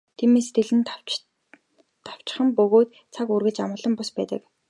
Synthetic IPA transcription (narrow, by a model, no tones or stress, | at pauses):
t̪ʰiːmeːst̪ĕɮɘ̆nt̪ʰ | t̪ʰaw̥t͡ɕ̆χə̆mpɵɣoːt̪ | t͡sʰakurɣɘ̆t͡ɕamə̆ɮə̆mpʊspæ̰ːt̪ə̰̆k